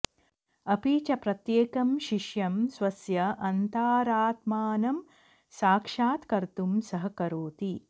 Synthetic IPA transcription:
ɐpiːt͡ʃɐpɾɐt̪jeːkɐmʃiʂjɐmsʋɐsjɐʔɐnt̪aːɾaːt̪maːnɐm | saːkʂaːt̪kɐɾt̪umsɐɦɐkɐɾoːt̪i

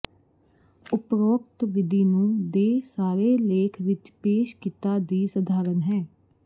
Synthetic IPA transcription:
ʊpɾoːkt̪ʋɪd̪iːnũːd̪eːsaːɾeːleːkʰʋɪt͡ʃpeːʃkiːt̪aːd̪iːsəd̪ʱaːɾənɦɛː

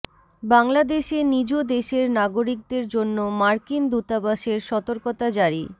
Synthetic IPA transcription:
baŋlad̪eʃenid͡ʑod̪eʃeɾnaɡoɾik̚d̪eɾd͡ʑonːomaɾkind̪ut̪abaʃeɾʃɔt̪oɾkot̪ad͡ʑaɾi

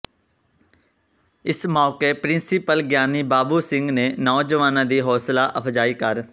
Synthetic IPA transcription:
ɪsmɔːkepɾɪ̃nsipəlɡjaːniːbaːbusɪ̃ŋɡneːnɔːd͡ʒəʋaːnãːd̪iːɦɔːslaːʔəpʰd͡ʒaːiːkəɾ

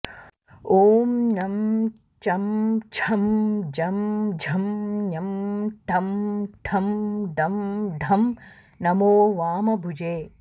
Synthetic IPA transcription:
oːmnɐm | t͡ʃɐmd͡ʒʰʱɐmd͡ʒɐmd͡ʒʱɐmnɐmɖʱɐmɖʱʰɐmɖʱɐmɖ̪ʱɐm | nɐmoːʋaːmɐbʱud͡ʒeː

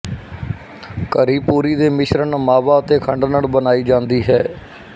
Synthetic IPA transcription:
kəɾiːpuːɾiːd̪eːmɪʃɾəɳmaːʋaːət̪eːkʰəɳɖnəɽbənaːiːd͡ʒãːnd̪iːɦɛː

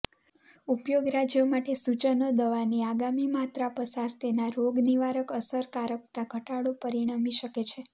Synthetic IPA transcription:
upjoɡɾad͡ʒjomaʈesut͡ʃənəd̪əʋaniaɡamimat̪ɾapəsaɾt̪enaɾoɡniʋaɾəkəsəɾkaɾək̚t̪aɡʱəʈaɽopəɾiɽ̃amiʃəket͡ʃʰe

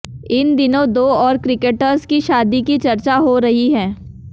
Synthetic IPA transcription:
ɪnd̪ɪnõd̪oːɔːɾkɾɪkeːʈəɾzkiʃaːd̪ikit͡ʃɐɾt͡ʃaɦoɾɐɦiɦɛ̃ː

